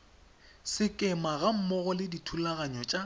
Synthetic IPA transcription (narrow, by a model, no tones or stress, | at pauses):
sɪkʼɛmaɣam̩mɔɣɔlɪditʰulaɣaɲɔt͡ʃʼa